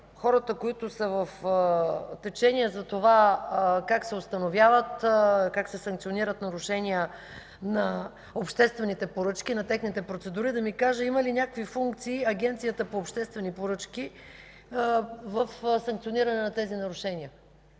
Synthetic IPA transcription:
xɔɾət̪əkoit̪ʊsəvəf | t̪ɛt͡ʃɛniəzɐt̪ovakaksɛost̪ɐnovjavət̪kaksɛsɐ̃ŋkt̪sioniɾət̪nɐɾuʃɛniə | nɐ | opʃt̪ɛst̪vɛnit̪ɛpoɾɤt͡ʃkinɐt̪ɛxnit̪ɛpɾot̪sɛd̪uɾid̪ɐmikaʒəimɐlinʲakəkvifuŋk̚t̪siːɐɡʲɛnt̪sijət̪əpoːpʃt̪ɛst̪vɛnipoɾɤt͡ʃk̟i | vəfsɐŋk̚t̪ioniɾɐnɛnɐt̪ɛzinɐɾuʃɛniə

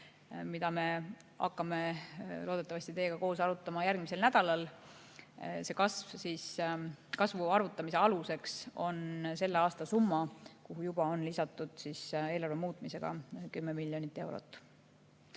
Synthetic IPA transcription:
mid̪ɑme̞ | ɑ̰kːɑme̞loːd̪e̞t̪ːˑɑvɑsʲt̪it̪e̞ːɡ̥ɑko̞ːsɑɾut̪ːˑɑmɑjærɡmise̞lnæd̪̥ɑlɑl | se̞kɑsvsiːskɑsvuɑrvut̪ːˑɑmise̞ɑluse̞kso̞nse̞lːeɑːst̪ɑsumːɑkuɦujub̥ɑo̞nlisɑt̪ːˑud̪̥siːse̞ːlɑrve̞muːt̪ˑmise̞ɡ̥ɑ̰kymːemilʲjo̞nit̪ːˑe̞wɾo̰t̪ːˑ

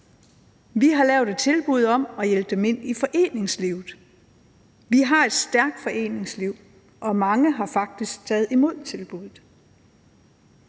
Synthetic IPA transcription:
ʋiɦɑ̈lɛʊd̥e̝d̥̚t͡sʰe̝lb̥uð̞ˠɒ̽mɒ̽jelb̥̚d̥eme̝n̰ifɒ̽ʔe̝̰ːne̝ŋsliʊð̩ˠ | ʋiɦɑ̈e̝d̥sd̥æɐɡ̥̚d̥fɒ̽ʔe̝̰ːne̝ŋsliʊ̰ | ʔɒ̽mɑ̈ŋəɦɑ̈fɑ̈ɡ̥̚d̥isɡ̥̚t͡sʰɛːð̩ˠimo̝ð̞̰ˠt͡sʰe̝lb̥uðˠð̩ˠ

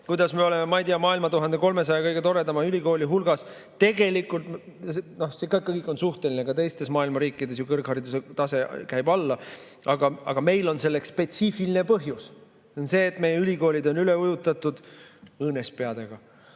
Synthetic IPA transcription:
kujd̪ɑsmeo̞le̞memɑijt̪ijɑmɑːilmɑt̪uɦɑnd̪̥e̞ko̞lme̞s̬ɑjɑkɤjɡ̥e̞t̪o̞ɾe̞d̪ɑmɑylʲiko̞ːlʲiɦulɡ̥ɑs | t̪e̞ɡ̥e̞likːˑult̪mseno̞sekɑkːɯjkːˑo̞nsuht̪e̞line̞kɑt̪e̞jst̪e̞smɑːilmɑɾiːkːˑid̪̥e̞sjukɤrkhɑɾid̪̥uset̪ɑse̞kæjbɑlːɑ | ɑɡ̥ɑɑ̰ɡ̥ɑme̞jlo̞nse̞lːekssːpe̞t̪sifilinepɤɦjus | onse̞ːt̪ːme̞jeylʲiko̞ːlʲid̪o̞nyleujut̪ːˑɑt̪ːˑud̪̥ɤːne̞spe̞ɑd̪̥e̞ɡ̥ɑ

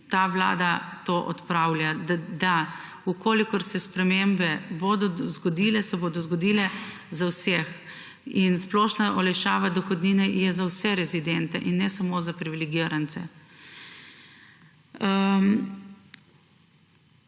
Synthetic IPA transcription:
t̪aːʋla̰ːd̪at̪oːʔɔ̰t̪pɾaːwljad̪a | ukoːlikɔɾsɛspɾɛmembɛbod̪ɔzɡɔd̪iːlɛsɛboːd̪ɔzɡɔd̪iːlɛ | zawsɛx | insplɔːʃnaʔɔlɛjʃaːʋad̪ɔxɔd̪niːnɛjɛzawsɛɾɛzid̪ɛnt̪ɛʔinːɛsamozapɾiʋilɛɡiɾant̪sɛ

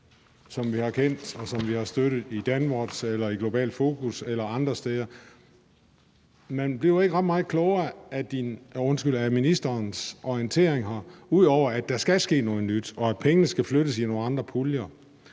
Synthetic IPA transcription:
sɒ̽mʋihɑ̈kʰen̰d̥ɒ̽sɒ̽mʋihɑ̈sd̥øɾ̥ð̩ˠid̥ænʋɒd̥selɐiɡ̥lo̝b̥ɛ̰ːld̥fo̝ːkʰuselɐɑ̈nd̥ʁɐsd̥ɛðˠɐ | menb̥liɐe̝ɡ̥əʁɑ̈d̥mɑ̈ːð̩ˠkʰlɔʊɐæd̥inɔ̽nsɡ̥yl̰æminisd̥ɐːnsʔɒiənt͡sʰe̝ɐ̰e̝ŋɦɑ̈uð̞̰ˠɒʊ̰ɐæd̥æ̈sɡ̥æsɡ̥e̝̰ːnɔ̽ːðˠnyd̥ɒ̽æ̥pʰeŋənəsɡ̥æfløɾ̥əsino̝ːn̩ɑ̈nd̥ʁɐpʰuljɐ

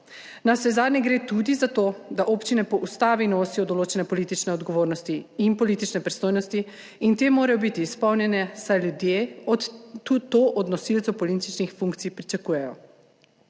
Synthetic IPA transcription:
nasɛzaːd̪nʲɛɡɾeːt̪ud̪izat̪od̪aʔoːpt͡ʃinɛpɔʔust̪aːʋinoːsijɔd̪ɔloːt͡ʃɛnɛpɔliːt̪it͡ʃnɛɔd̪ɡɔʋoːɾnɔst̪iinpɔliːt̪it͡ʃnɛpɾist̪oːjnɔst̪i | int̪eːmoːɾajɔbit̪iːspɔwnjɛnɛsajljud̪jeɔt̪ut̪oʔɔd̪nɔsilt̪sopɔlit̪it͡ʃnixfuŋkt̪sijpɾit͡ʃakuːjɛjɔ̰

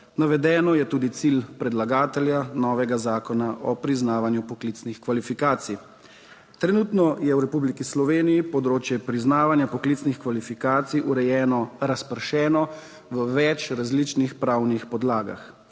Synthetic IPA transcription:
naʋɛd̪ɛːnɔjɛt̪uːd̪it̪silpɾɛd̪laɡaːt̪ɛljanɔːʋɛɡazaːkɔnaʔɔpɾiznaːʋanjupɔklit̪snixkʋalifikaːt̪sij | t̪ɾɛnuːt̪nɔjɛwɾɛpublikislɔʋeːnijipɔd̪ɾoːt͡ʃjɛpɾiznaːʋanjapɔklit̪snixkʋalifikaːt̪sijʔuɾɛjɛːnɔɾaspəɾʃɛːnɔ | ʋəʋɛt͡ʃɾazlit͡ʃnixpɾawnixpɔd̪laːɡa̰x

